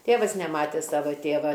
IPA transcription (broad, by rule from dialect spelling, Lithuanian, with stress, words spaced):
ˈtʲeːʋɐs nʲɛˈmɑːtʲeː ˈsɑːʋɐ ˈtʲeːʋɐ